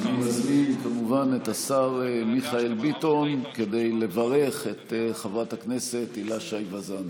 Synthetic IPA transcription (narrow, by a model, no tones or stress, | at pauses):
naumazminkamuvanet̪asaʁemiχae̞lbito̞nke̞dejle̞vaʁe̞χe̞t̪χavathakne̞se̞t̪ilaʃajvazan